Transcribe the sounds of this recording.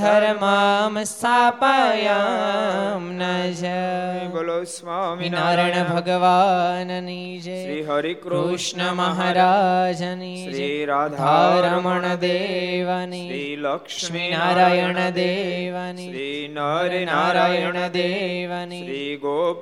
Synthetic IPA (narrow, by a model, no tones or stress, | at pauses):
d̪ʱɐɾmamsapɐja | mnɐd͡ʒɐ | innaɾɐɳɐbʱɐɡɐʋaːnɐni | d͡ʒe | uʂɳɐmɐɦaːɾaːd͡ʒɐni | d͡ʒed̪ʱaːɾɐmɐɳɐd̪eːʋani | ʃminaːɾaːjɐɳɐd̪eːʋani | ɾinaːɾaːjɐɳɐd̪eʋani